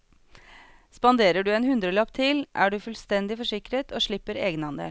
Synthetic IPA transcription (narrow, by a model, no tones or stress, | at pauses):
spɑnd̪eːɾəɖʉːeːnhʉnd̪ɾəlɑp̚t̪ʰɪlʔæːɖʉːfʉlst̪ɛnd̪ɪfɔʂɪkɾət̪ʰoːʂɭɪpːəɾḛːɡənɑnd̪ḛːl